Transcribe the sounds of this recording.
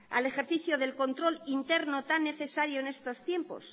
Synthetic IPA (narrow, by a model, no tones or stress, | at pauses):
a̰le̞xe̞ɾθiθjoðe̞lko̞nt̪ɾo̞lint̪e̞ɾno̞t̪anːe̞θe̞saɾjo̞ene̞st̪o̞st̪je̞mpo̞̰s